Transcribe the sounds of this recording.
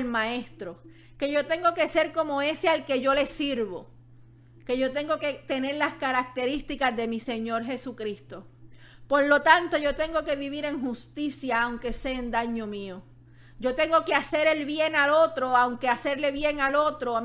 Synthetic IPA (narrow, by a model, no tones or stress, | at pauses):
lmãest̪ɾo̞ | ke̞ʝo̞t̪e̞ŋɡo̞ke̞se̞ɾko̞mo̞e̞sealke̞ʝo̞le̞siɾβo̞̰ | ke̞ʝo̞t̪e̞ŋɡo̞ke̞t̪e̞ne̞ɾlaskaɾak̚t̪e̞ɾist̪ikazðe̞mise̞ɲo̞ɾɦe̞sukɾist̪o̞po̞ɾlo̞t̪ant̪o̞ʝo̞t̪e̞ŋɡo̞ke̞βiβiɾe̞ŋɦust̪isjaːwŋke̞se̞ːnd̪aɲo̞mĩo | ɟ͡ʝo̞t̪e̞ŋɡo̞kease̞ɾe̞lβje̞ŋalo̞t̪ɾo̞awŋkease̞ɾle̞βje̞ŋalo̞t̪ɾo